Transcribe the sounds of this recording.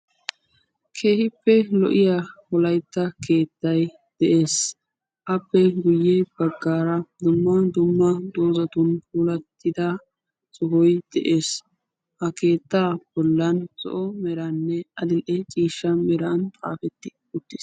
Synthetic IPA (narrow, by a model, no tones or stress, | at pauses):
kʰe̞ːhɪpːɛlɔ̰ʔɪjahɔlɐjt̪ːɐke̞ːt̪ːɐj | d̪̥ɛʔe̞ːs | ʔɐpːɛɡʊjːɛb̥ɐɡːaːɾɐd̪ʊmːɐd̪ʊmːɐd̪oːzɐt̪ʊnfuːlɐt̪ʰːɪd̪a | t͡sʼʊɦɔjd̪̥ɛʔe̞ːs | hɐke̞ːt̪ːaːb̥ɔlːɐnsʼɔ̰ʔɔmɛɾɐnːɛʔɐd̪ɪlʔɛt͡ʃʼiːʃːɐmɛɾɐnt̪ʼa̰ːfɛt̪ːɪ̥ | ʊt̪ːɪs